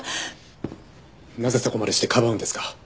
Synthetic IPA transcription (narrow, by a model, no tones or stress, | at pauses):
nazesako̞maɾeɕi̥t̪ekʰabaɯ̃nd̪e̞sɨ̥kḁ